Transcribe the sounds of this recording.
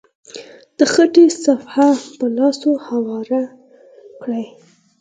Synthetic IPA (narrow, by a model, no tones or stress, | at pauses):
d̪̥əxəʈesafhapəlɑsohawɑɾa | kɽaj